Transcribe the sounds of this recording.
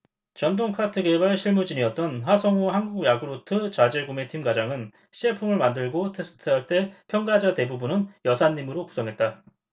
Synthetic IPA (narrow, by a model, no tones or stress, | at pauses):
t͡ɕʌndoŋkʰatʰɯɡe̞baɭɕʰiɭmud͡ʑiɲiʌt̚t͈ʌnɸasʰʌŋoɦanɡuɡjaɡɯɾotʰɯt͡ɕad͡ʑeɡume̞tʰimɡad͡ʑaŋɯn | ɕʰiepʰuŋɯɭmandɯɭɡotʰe̞s͈ʰɯ̥tʰɯɦaɭt͈e̞pʰjʌŋɡad͡ʑate̞bubunɯnjʌsʰaɲːimɯɾoku̥sʰʌŋɦe̞t̚t͈a